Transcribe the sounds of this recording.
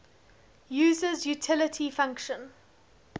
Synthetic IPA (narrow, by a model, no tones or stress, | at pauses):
jʉːzəzjutʰɪlətʰifãŋkʃə̃n